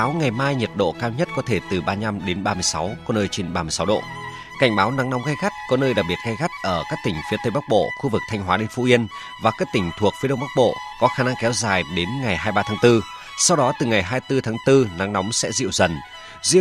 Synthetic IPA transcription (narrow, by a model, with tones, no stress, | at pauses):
aː˨˦wŋa˨˩jmaː˧jɲə˨˩t̚ɗo̰˧˨kaː˧wɲə˦˥t̚kɔ˨˦t̪ʰe˧˩t̪ɨ˨˩ɓaː˧ɲa˧mɗe˨˦nɓaː˧mɨ˧əjsa˨˦wkɔ˨˦nəː˧jt͡ɕe˧nɓaː˧mɨ˧˩sa˨˦wɗo̰˧˨ | ka˧˩jŋ̟ɓaː˨˦wna˨˦ŋnɔ˨˦wŋ͡mɣa˧jɣa˦˥t̚kɔ˨˦nəː˧jɗaː˨˩ɓi˨˩ət̚ɣa˧jɣa˦˥t̚ʔəː˧˩kaː˦˥k̚t̪ï˨˩ŋ̟fi˨˦ət̪ə˨˧jɓa˦˥k̚ɓo̰˧˨xu˧vɨ˨˩k̚t̪ʰjŋ̟ɦwaː˨˦ɗe˧nfu˧˥ʔi˧ən | vaː˨˩kaː˦˥k̚t̪ï˧˩ŋ̟t̪ʰu˨˩ək̚fi˨˦ɗə˧ŋ͡mɓa˦˥k̚ɓo̰˧˨kɔ˨˦xaː˧˩na˧ŋkɛ˨˦wzaː˨˩jɗe˨˦nŋa˨˩jɦaː˧jɓaː˧t̪ʰaː˨˦ŋt̪ɨ˧ | sa˧wɗɔ˨˦t̪ɨ˨˩ŋa˨˩jɦaː˧jt̪ɨ˧t̪ʰaː˨˦ŋt̪ɨ˧na˨˦ŋnɔ˨˦wŋ͡msɛ̰˧˥zḭ˧˨əwzə˨˩n | zḭ˧˨